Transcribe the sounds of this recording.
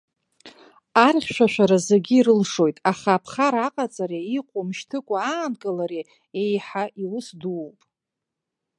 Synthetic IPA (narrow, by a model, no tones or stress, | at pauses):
arχʲʃʷᶣaʃʷᶣaɾazeɡʲiːɾɨlʂo̞jtʼaχaːpʰχaɾaqʼat͡sʼaɾeiqʷʼomʃtʰɨkʷʼaaːnkʼɨlaɾe | ejħaʔiwʊsdupʼ